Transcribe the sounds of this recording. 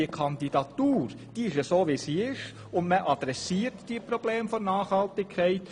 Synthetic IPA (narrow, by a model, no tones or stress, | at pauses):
iəkʰɑndidɑtuːɾ | d̥iɪʃəsoːʋisiːɪʃ | ʊndməʔɑd̥ɾɛsiːəɾtd̥iːəpɾob̥leːmfonnɑːχhɑltɪkʰːɛɪt